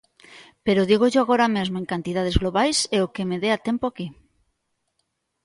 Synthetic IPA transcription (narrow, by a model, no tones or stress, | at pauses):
peɾoðiɣ̞oʝoaɣ̞oɾamezmoeŋkant̪iðað̞ezɣloβajseokemeðeat̪empoaki